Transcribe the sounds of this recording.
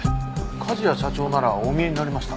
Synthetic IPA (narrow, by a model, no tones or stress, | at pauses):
kʰaʑijaɕat͡ɕo̞ːnaɾaomʲie̞ɲinaɾʲimaɕi̥t̪a